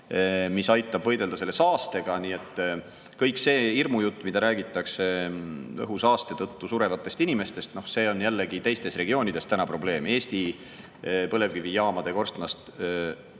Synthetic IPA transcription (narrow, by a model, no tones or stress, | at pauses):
misɑjt̪ːˑɑb̥vɤ̞jd̪e̞ld̪ɑse̞lːesɑːst̪e̞ɡ̥ɑniːe̞t̪ːˑ | kɤjkse̞ːirmujut̪ːˑmid̪ɑɾæːɡit̪ˑːɑkse̞ɤ̰ɦusɑːst̪e̞t̪ɤt̪ːusuɾe̞vɑt̪ːˑe̞st̪inime̞st̪e̞st̪no̞hse̞ːo̞njælːeɡit̪e̞jst̪e̞stre̞ɡ̥io̞ːnʲid̪̥est̪ænɑpro̞ble̞ːme̞ːst̪i | pɤlevkivijɑːmɑd̪̥e̞ko̞rst̪lɑst̪